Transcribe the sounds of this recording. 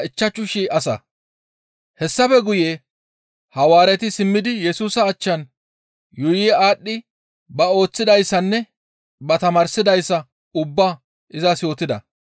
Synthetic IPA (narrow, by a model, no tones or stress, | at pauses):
ɪt͡ʃːɐt͡ʃːʊʃiɐsɐ̰ | hɛsːɐfɛɡʊjeː | hɐwaːɾɛt̪ɪsɪmːɪd̪ɪjɛsuːsɐːt͡ʃːɐn | jʊjiaːɗːɪ | bɐo̞ːt͡sːɪd̪ɐjsːɐnːɛ | bɐt̪ɐmɐːɾsɪd̪ɐjsːɐ | ʊbːa | ʔɪzɐsjo̞ːt̪ɪd̪ɐ̰